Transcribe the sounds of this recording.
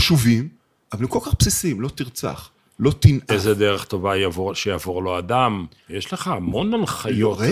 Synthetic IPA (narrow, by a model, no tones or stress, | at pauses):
ʃuvim | ʔavalemkolkaχpsisimlo̞t̪iʁt͡sa̰χ | lo̞t̪inʔezed̪eʁeχt̪o̞vajavoʃejavoʁlo̞ad̪am | jeʃleχaːmo̞nanχajooʁe